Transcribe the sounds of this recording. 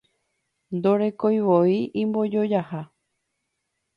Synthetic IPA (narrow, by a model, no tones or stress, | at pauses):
nd̪oɾe̞kojʋoiʔĩmbo̞d͡ʒo̞d͡ʒaha